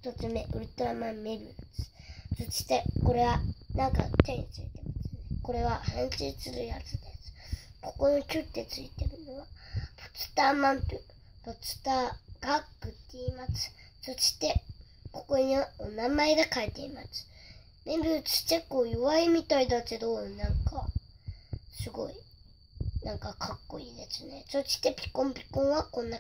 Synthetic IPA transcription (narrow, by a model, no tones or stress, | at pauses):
ç̥t̪ot͡sɨme̞ʔɯ̟ɾɯ̟t̪oɾamãmme̞bɯ̟t͡sɨ̥sot͡ɕi̥t̪e̞ko̞ɾe̞βanãŋka̰t̪ẽ̞ɲʲit͡sɨit̪e̞mat͡sɨneko̞ɾe̞βahẽɰ̃sit͡sɨɾɯ̟jat͡sɨd̪e̞sɨ̥ | ko̞ko̞nokʲɨt̪ːe̞t͡sɨit̪e̞ɾɯ̟noβapo̥t͡sɨ̥t̪aːmãnt̪ɯ | pot͡sɨ̥t̪aːɡ̥akːɯ̟t̪ːeimat͡sɨ̥sot͡ɕi̥t̪e̞ | ko̞koeɲiβaonamaeɡakaet̪e̞imat͡sɨ̥ | bembɯt͡sɨ̥tekːoːjɯβaemʲit̪aid̪at͡seɾonãŋka̰ | sɨɡo̞̰i | nãŋkakʰakːo̞iːd̪e̞sɨnesot͡ɕi̥t̪ːe̞pʲi̥kõ̞mpʲi̥kõɰ̃βakõ̞nːa